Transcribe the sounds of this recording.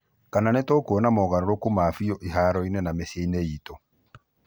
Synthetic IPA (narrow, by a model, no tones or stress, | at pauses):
kananɛtɔkoɔnamɔɣaɾɔɾokomaːfijɔʔeɦaɾɔinɛnamɛseinɛitɔ